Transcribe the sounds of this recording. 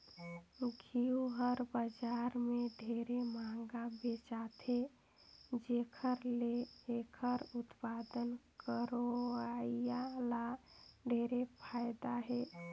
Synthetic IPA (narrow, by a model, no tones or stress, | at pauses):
ɡʱioɦəɾbəd͡ʒaɾmeɖʱeɾemãŋɡabet͡ʃat̪ʰe | d͡ʒekʰəɾleekʰəɾut̪pad̪ənkəɾoaijalaɖʱeɾepʰajd̪aɦe